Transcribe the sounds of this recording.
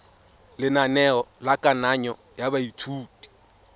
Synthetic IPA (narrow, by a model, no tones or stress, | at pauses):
lɪnanɛɔlakʼanaɲɔ | jabaitʰuːtʼi̥